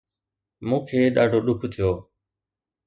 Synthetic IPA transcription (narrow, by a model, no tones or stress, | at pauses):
mũːkʰeːɗaːɖʱoːɗʊkʰt̪ʰɪjoː